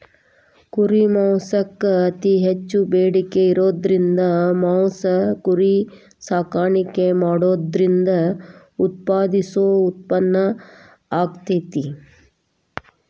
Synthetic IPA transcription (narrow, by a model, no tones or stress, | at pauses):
kuɾimɐwsɐkːɐɐt̪iɦet͡ʃːubeːɽikeiɾoːd̪ɾind̪ɐmawsɐkuɾi | saːkaːɳikːemaːɽoːd̪ɾind̪ɐ | ut̪̚paːd̪isoːut̪̚pɐnːɐ | aːkt̪et̪i